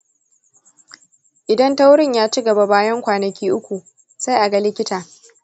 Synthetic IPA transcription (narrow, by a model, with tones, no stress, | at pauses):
ʔɪ˨dɐ˦nta˦wɽɪ˦ɲjaː˦t͡ʃɪ˦ɡɐ˨ba˨baː˦jɐ˦ŋkʷaː˨nɐ˨kʲiː˦ʔʊ˦kʷu˨ | sa˦jʔa˨ɡa˦lɪ˦kʲɪ˦taː˨